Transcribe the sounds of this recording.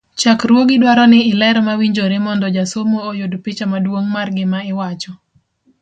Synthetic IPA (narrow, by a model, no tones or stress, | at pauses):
t͡ʃakɾwoɡɪdwaɾɔnɪːlɛɾmawiɲd͡ʒoɾemɔndɔd͡ʒasomoːjodpit͡ʃamadwoŋmarɡɪmaɪwat͡ʃɔ